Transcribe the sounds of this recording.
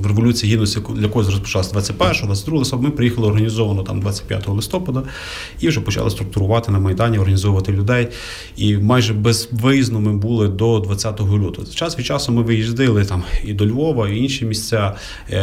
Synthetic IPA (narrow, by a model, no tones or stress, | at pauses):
ʋreʋɔlʲut͡sʲiiɦid̪nɔsʲjɐkɔjɔzɾɔspɔ̥t͡ʃɑlˠɐsʲɐd̪ʋɑt͡sʲɐt̚ʲpɛrʃɔɔd̪ʋɑt͡sʲːtd̪ɾuɔlˠɪsɔpbmɪpɾejixɐlˠɪɔrɦɐnʲizɔʋɐnɔt̪ɑ̰md̪ʋɑt͡sʲɐ̥t̚ʲpʲja̰t̪ɔɦɔlˠɪst̪ɔpɐd̪ɐ | iwʒɛpɔt͡ʃɑ̰lˠɪst̪ɾʊk̚t̪ʊɾʊʋɑt̪ɪnɐmɐjd̪ɑnʲiɔrɦɐnʲizɔwʊʋɐt̪ɪlʲʊd̪ɛj | imɑjʒɛbez̥ʋɪznɔmɪbulˠɪd̪ɔd̪ʋɐt͡sʲːat̪ɔɦɔlʲut̪ʊɛt͡ʃɑsʋʲit͡ʃɑsɔmɪʋɪjizd̪ɪlˠɪt̪ɑmid̪ɔlʲʋɔʋɐiinʃimʲisʲt͡sʲa